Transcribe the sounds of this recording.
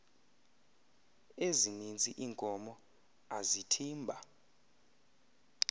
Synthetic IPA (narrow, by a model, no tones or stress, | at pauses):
ezinind͡zʱʼiʔiːŋkʼɔmɔ | azitʰiːmbʱa